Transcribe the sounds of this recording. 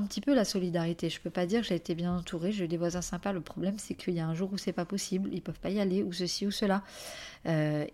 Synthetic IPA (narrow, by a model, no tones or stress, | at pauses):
ɛ̃pət̪ʰipølasɔlid̪aʁit̪eʒəpøpad̪iʁʒeːt̪ebjɛ̃nɑ̃t̪ʰuʁeʒed̪evwazɛ̃sɛ̃paləpχɔblɛmsɛkʰəiljaɛ̃ʒuʁusɛpapɔsiblilpœvpaijaleusəsiusəla | ø